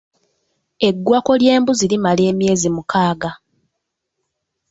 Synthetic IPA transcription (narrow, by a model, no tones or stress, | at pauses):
e̞ɡːwako̞lje̞ːmbuzilimale̞ːmje̞ːzimukaːɡa